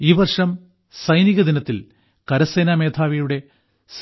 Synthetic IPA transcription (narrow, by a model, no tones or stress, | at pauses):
iːʋɐrʂɐm | sɐjniɣɐd̪inɐt̪ːil | kɐɾɐseːnaːme̞ːd̪ʱʰaːʋijuɽe̞ | s